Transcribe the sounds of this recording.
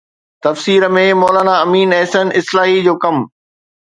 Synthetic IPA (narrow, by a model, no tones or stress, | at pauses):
t̪ɐfsiːɾə̆mẽmɔːlaːnaɐmiːnɛːsənʔɪslaːɦid͡ʑoːkɐm